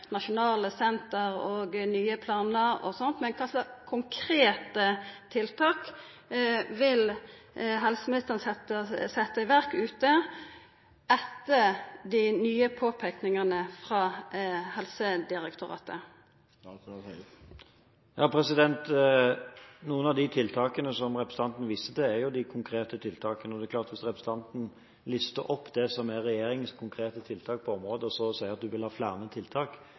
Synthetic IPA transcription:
nɑʃʊnɑːləsɛnt̪əʁoːɡnyːəpʰlɑːnəɔ̰sɔnt̪mɛnkʰɑsəkʰʊŋkʰʁeːt̪ət̪ʰɪlt̪ʰɑːk | ʋɪl | ɦɛlsəmɪnɪst̪əʁnsɛt̪ːəsɛt̪ːəɪʋæʁkʉːt̪ə | ɛt̪ːəd̪ɪnyːəpʰoːpʰæknɪŋənəfʁɑːhɛlsəd̪ɪʁɛkt̪ʊʁɑ̰ːt̪ə | jɑːpʰɾɛsɪd̪ɛnt̪ | nuːənɑʋd̪ɪt̪ʰɪlt̪ʰɑːkənəsɔmʁɛpɾəsəɑnt̪n̩ʋiːsəd̪ɛæɾjʊd̪ɪkʰʊŋkʰɾeːt̪ət̪ʰɪlt̪ʰɑːkənəɔd̪ɛːkʰlɑːʁt̪ʋɪsʁɛpɾɛsəɑnt̪n̩ | lʏst̪əɾʔɔpːd̪ɛsɔmæːɛjeːɾɪŋənskʰʊŋkʰɾeːt̪ət̪ʰɪlt̪ʰɑːk̚pʰɔɔmɾoːd̪əɔsɔsæɪəʁɑt̪̚d̪ʉʋɪlhɑːflæːʁnət̪ʰɪlt̪ʰɑːk

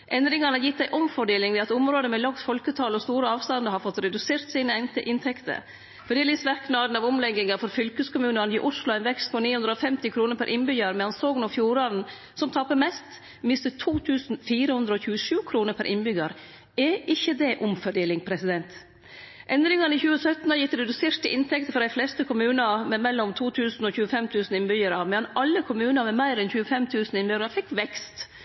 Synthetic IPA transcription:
ʔɛnd̪ɾɪŋɑnəjɪt̪̚d̪æɪʔɔmfɔɖeːlɪŋd̪ɛɑt̪ʊmɾoːd̪əmɛlɑksfɔlkət̪ʰɑːlɔst̪uːɾəɑːʋst̪ɑnd̪əɾhɑɾfɔt̪ɾɛd̪ʉseːɾt̪siːnəɛɪnt̪əʔɪnt̪ʰɛkt̪ə̰ɾ | fɔɖ̪eːlɪsʋæɾknɑːd̪n̩ɑʋʊmlɛɡɪŋɑfɔɾfʏlkəskʰʊmʉːnənḭʔʊslʊæɪnʋɛkst̪̚pʰɔniːhʉnɾəɔfɛmt̪ɪkʰɾuːnəɾpʰæɾʔɪnbʏɡəɾmɛɑnsɔɡənɔfjuːɾɑɾn | sɔmt̪ʰɑpəɾmɛst̪ | mɪst̪ət̪ʰuːt̪ʰʉːsnfiːɾəhʉnd̪ɾəɔçʉːəʂʉːkʰɾuːnəɾpʰæɾʔɪ̰nbʏɡɑɾ | ɛʔɪçːəd̪ɛʔʊmfɔɖeːlɪŋpʰɾɛsɪd̪ɛnt̪ | ʔɛnd̪ɾɪŋɑnəɪçʉːəsœt̪n̩əjɪt̪ɾɛd̪ʉseːɾt̪əʔɪnt̪ʰɛk̚t̪əfɔɾd̪æɪflɛst̪əkʰʊmʉːnɑmɛmɛlːɔmt̪ʰuːt̪ʰʉːsn̩ɔçʉːəfɛmt̪ʰʉːsn̩ɪnbʏjəɾɑʋmɛɑnʔɑlːəkʰʊmʉːnɑɾmɛmæɪɾɛnçʉːəfɛmt̪ʰʉːsn̩ɪnbʏɡɾɑfɪkːʋɛkst̪

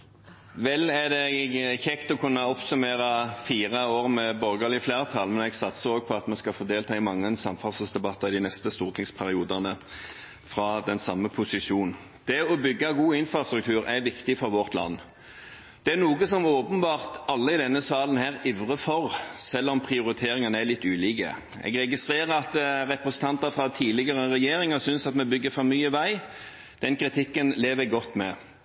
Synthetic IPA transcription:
ʋɛlːæʁd̪ɛçɛkt̪ɔkʰʉnːɑɔpsʉmeːʁɑfiːʁɑoːʁmɛbɔʁɡəlɪfleːʁt̪ʰɑlmɛnɛɡsɑt̪səoːɡ̚pʰɔɑt̪mɛskɑfoːd̪eːlt̪ʰɑːɪmɑŋːənsɑmfɑlsəl̩sd̪ɛbɑt̪ːɑɪd̪ɪnɛst̪əst̪uːʁt̪ʰɪŋspʰæʁɪuːd̪ɑnə | fʁɑd̪ɛnsɑmːəpʰʊsɪʂuːn | d̪̥ɛɔbʏɡːɑɡuːɪnfʁɑst̪ɾʉk̚t̪ʰʉːʁɛʋɪkt̪ɪfɔɾʋɔʁt̪lɑ̰nː | d̪̥ɛæʁnuːɡəsɔmoːpənbɑːʁt̪ɑlːəɪd̪ɛnːəsɑːlənhæːʁiʋʁəfɔʁsɛlːɔmpʰʁɪʊɾɪt̪ʰeːʁɪŋɑnəælɪt̪ːʉːliːkə̰ | ɛ̰ɡʁɛɡɪst̪ʁeːɾəɾɑt̪ʁɛpʁɛsən̩t̪ʰɑnt̪ɑfʁɑt̪ʰiːlɪɡɑʁəʁɛjeːʁɪŋɑsʏnsɑt̪mɛbʏɡːəfɔɾmyːəʋæɪ | d̪̥ɛnkʁɪt̪ʰɪkːənleːʋəɡɔt̪ːmɛ

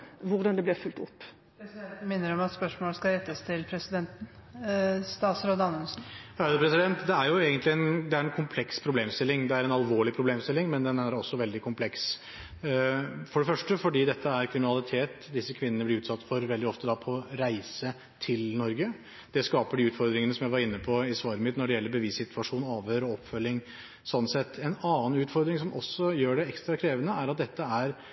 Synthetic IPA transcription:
ʋʊɾd̪ɑnd̪ɛblɪfʉlt̪ʊpː | ɾɛsd̪ɛnt̪n̩mɪnːəɾɔmɑt̪spœʂmoːləskɑɾɛt̪ːəst̪ʰɪlpʰɾɛsɪd̪ɛnt̪n̩ | st̪ɑːsɾoːd̪əɑnənsn̩ɑʉd̪əpɾɛsɪd̪ɛnt̪d̪ɛæɾjʊeːɡənt̪lɪɛnd̪ɛæɾɛnkʰʊmpʰlɛkspʰɾʊbleːmst̪ɪlːɪŋd̪ɛæɾɛnɑlʋoːɭɪpʰɾʊbleːmst̪ɪlːɪŋmɛnd̪ɛnæɾɔsːɔʋɛld̪ɪkʰʊmpʰlɛks | fɔɖɛfœʂʈəfɔɖiːd̪ɛt̪ʰːəæɾkʰɾɪmɪnɑlɪt̪ʰeːt̪ | d̪ɪsːəkʰʋɪnːənəblɪɾʉːt̪sɑt̪ːfɔɾʋɛld̪ɪɔft̪əd̪ɑpʰɔɾæɪsə | t̪ʰɪlnɔɾɡə | d̪̥ɛskɑːpəɖiʉːt̪fɔɾd̪ɾɪŋənəsɔmjæɪʋɑɾɪnːəpʰɔɪsʋɑːɾəmɪt̪ːnɔɖɛjɛlːəɾbəʋiːssɪt̪ʰʋɑʂuːnɑːʋøɾɔɔpːfœlːɪŋ | sɔnːsɛt̪ːɛnɑːn̩ʉːt̪fɔɾd̪ɾɪŋsɔmʔɔ̰sːɔjøːɖɛɛkst̪ɾɑkʰɾeːʋənəæɾɑt̪̚d̪ɛt̪ʰːəæɾ

